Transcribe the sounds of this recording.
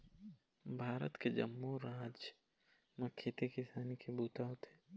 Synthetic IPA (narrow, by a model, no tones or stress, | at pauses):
bʱaːɾə̰t̪ked͡ʒɐ̰mːuɾaːd͡ʒ | mɐkʰːet̪ekɪsaːnikʰebuːt̪aot̪e̥ː